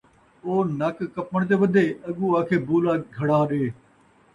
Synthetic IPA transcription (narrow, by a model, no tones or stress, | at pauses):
oːnəkkəpːəɽ̃t̪̬eːʋəd̪ʱeːɐɠuːaːkʰeːbuːlaːɡʱəɽaːɗeː